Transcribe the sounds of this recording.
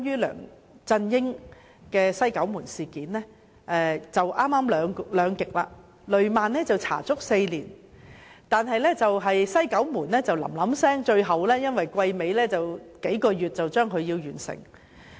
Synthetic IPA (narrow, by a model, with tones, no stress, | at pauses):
jyː˥lœ̰ː˨˩ŋ | t͡sɐ˧njɪ˥ŋ | kɛː˧sɐ˥jkɐ˨˥wmuː˨˩nsiː˨˩kiː˨˥nlɛː˥ | ʔɛ˨˧t͡sɐ˨wʔaː˥maː˥mlœː˨˧ŋlœː˨˧ŋkɪ˨k̚laː˧ | lɵ˨ɥmaː˨nːɛː˥t͡sɐ˨wt͡sʰa̰ː˨˩t͡sʊ˥k̚se˧jliː˨˩n | t̪aː˨nɦɐ˨jlɛː˥t͡sɐ˨wɦɐ˨jsɐ˥jkɐ˨˥wmuː˨˩nɛː˥t͡sɐ˨wlɐ̰˨˩mlɐ˨˥msɛː˥ŋt͡ʃɵ˧ɥɦɐ˨wlɛː˥jɐ˥nwɐ˨jkʷɐ˧jme˨˧jlɛː˥t͡sɐ˨wke˨˥jkɔː˧ɥyː˨˩t̚t͡sɐ˨wt͡ʃœː˥ŋkʰɵ˨˧ɥjiː˧wjyː˨˩nsɪ̰˨˩ŋ